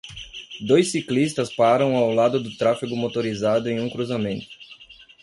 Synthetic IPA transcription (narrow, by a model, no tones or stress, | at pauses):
d̪ojsːiklist̪ɐspaɾɐ̃w̃awlad̪ʊd̪ʊt̪ɾafiɡʊmot̪oɾizad̪ʊẽj̃ũkɾuzamẽnt̪ʊ̥